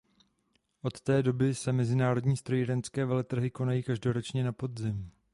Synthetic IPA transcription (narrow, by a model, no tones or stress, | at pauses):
ʔo̞t̪ːɛːdo̞bɪsɛmɛzɪnaːɾo̞dɲiːst̪ɾojɪɾɛnt͡skɛːvɛlɛt̪r̩ɦɪko̞najiːkaʒdo̞ɾo̞t͡ʃɲɛnapo̞d̪zɪm